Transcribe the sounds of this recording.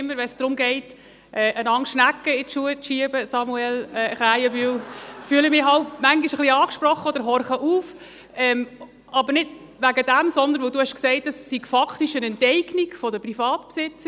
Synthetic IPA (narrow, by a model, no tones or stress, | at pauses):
ɪmːəɾʋɛnsd̥ɾʊmɡɛɪt | ʔɛːʔənɑŋʃnækːəɪt̪ʃuət͡sʃiəbəsɑmuɛlɛːχɾæɪjəbylfyːəlɪmɪɑltmæŋɡiʃəχliɑːkʃprɔχːəɔd̪̥əɾɦɔɾχəʔuːf | ɛm | ʔɑbəɾnɪd̥ | ʋæɡədæmsɔnd̪ən̩ʋoduhɛʃksɛɪtɛsːiɡ̥fɑkχtiʃənɛntɛɪɡnikfɔdəprifɑːtpsɪt͡sə